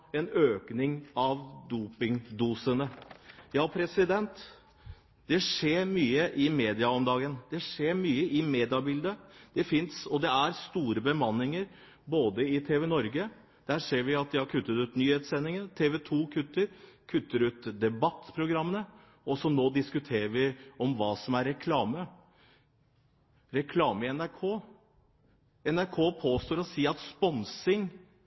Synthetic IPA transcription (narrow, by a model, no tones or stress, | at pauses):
ɛnøːknɪŋɑʋd̪uːpɪŋd̪uːsənəjɑːpʰɾɛsɪd̪ɛnt̪ | d̪̥ɛʂeːɾmyːəʔɪmeːd̪ɪɑɔmd̪ɑːɡənd̪̥ɛʂeːɾmyːəɪmeːd̪ɪɑbɪld̪əd̪̥ɛfɪnsɔd̪ɛæɾst̪uːɾəbəmɑnːɪŋəɾ | boːd̪əɪt̪ʰeːʋɛnɔɾɡə | d̪̥æːɾʂeːɾʋɪɑt̪̚d̪ɛhɑɾkʰʉt̪ːət̪ʉːt̪nyːheːt̪sɛnːɪŋənt̪ʰeːʋɛt̪ʰuːkʰʉt̪ːəɾkʰʉt̪ːəɾʉːt̪d̪ɛbɑt̪ːpʰɾʊɡɾɑmːənə | ɔsɔnoːd̪ɪskʉt̪ʰeːɾəɾʋɪɔmʋɑːsɔmæɾːɛkʰlɑːmə | ɾɛkʰlɑːməɪɛnæɾkʰoː | ɛnæɾkʰoːpʰoːst̪oːɾɔsiːɑt̪spɔnsɪŋ